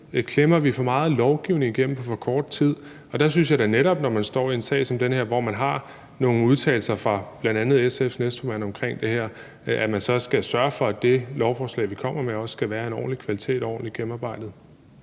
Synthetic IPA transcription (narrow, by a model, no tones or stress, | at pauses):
kʰlemɐʋifɒ̽mɑ̈ːð̞̩ˠlɒʊɡ̥iʊne̝ŋiɡ̥em̰m̩pʰɒ̽fɒ̽kʰɒːd̥t͡sʰið̰ˠ | ɒ̽d̥æsynsjɑɪɾ̥æneɾɒ̽b̥nɒmænsd̥ɒ̰ːie̝nsɛ̰ːɪsɒ̽md̥enheɐ̰ʋɒmænɦɑ̈ | no̝ːn̩uðˠt͡sʰɛ̰ːl̩sɐfʁɑ̈b̥lænd̥ænð̩ˠesefnesd̥fɒmæn̰ɒ̽mkʰʁeŋ̰d̥e̝heɐ̰ | æmænsɒ̽sɡ̥æsɶɐfɒ̽æd̥e̝lɒʊfɒːslɛ̰ɪʋikʰɒ̽m̰ɐmeɒ̽ssɡ̥æʋæːɐe̝nɒ̰ːn̩likʰʋælit͡sʰe̝̰ːd̥ɒ̰ːn̩liɡ̥em̩ɑ̈ːb̥ɑ̈ɪ̰d̥ð̞̩ˠ